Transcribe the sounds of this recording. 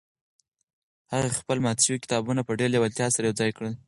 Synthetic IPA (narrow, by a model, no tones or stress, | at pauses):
haɣaxpəlmɑt̪ʃəwikɪ̥t̪ɑbunapəɖeljawɪlt̪jɑsaɾajawd͡zɑjkɽəl